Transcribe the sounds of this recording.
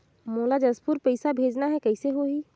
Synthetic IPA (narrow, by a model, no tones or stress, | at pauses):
moːlad͡ʒɐspuɾpəɪsabʱeːd͡ʒnaɦɛkɛɪseɦoiː